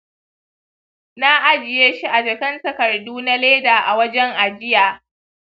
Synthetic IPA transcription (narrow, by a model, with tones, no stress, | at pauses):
na˦ʔa˦d͡ʒɪ˨jeː˦ʃi˦ʔa˨d͡ʒɐ˨kɐ˦ntɐ˨kɐ˨rduː˦na˦leː˦daː˨ʔa˨wɐ˦d͡ʒɛ˦ŋʔa˨d͡ʒɪ˦jaː˨